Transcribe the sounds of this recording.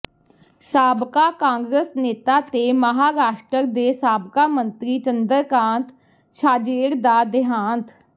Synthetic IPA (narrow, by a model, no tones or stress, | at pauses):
saːbkaːkãːŋɡɾəsneːt̪aːt̪eːməɦaːɾaːʃʈəɾd̪eːsaːbkaːmənt̪ɾiːt͡ʃənd̪əɾkãːnt̪ | ʃʰaːd͡ʒeːɽd̪aːd̪ɪɦaːnt̪